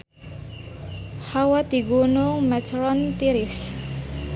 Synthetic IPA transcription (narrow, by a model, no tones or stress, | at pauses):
hawat̪iɡunuŋmɛtʰɾɔnt̪iɾis